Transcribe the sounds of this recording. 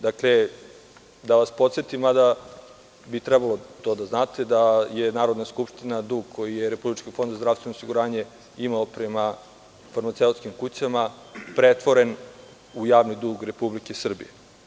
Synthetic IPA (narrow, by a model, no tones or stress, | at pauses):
d̪akle | d̪aʋaspo̞t̪set̪imad̪a | bit̪ɾɛbalo̞t̪o̞ːd̪aznaːt̪e̞d̪ajenaːɾod̪naskupʂt̪inad̪uːɡ̚kʰo̞jijeɾe̞publit͡ʃkifo̞nd̪zazd̪ɾasʋenosiɡuɾaːɲe̞ | imaopɾe̞ma | faɾmat̪seut̪skimkut͡ɕama | pɾet̪ʋo̞ɾe̞n | ujaːʋnid̪uːɡɾe̞publikesr̩bḭje